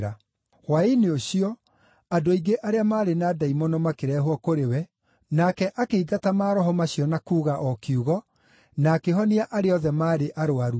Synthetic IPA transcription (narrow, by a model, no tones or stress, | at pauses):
ɾa | waineoɕiɔ | adoiɡeʔaɾeamaːɾenaːdaimɔnɔmakeɾɛːɦwɔkoɾewɛ | nakɛʔakeiɡatamaːɾɔɦɔmaɕiɔnakuːɣaʔɔkiuɣɔ | nakeɦɔniaʔaɾeɔðɛmaːɾeʔaɾoaɾu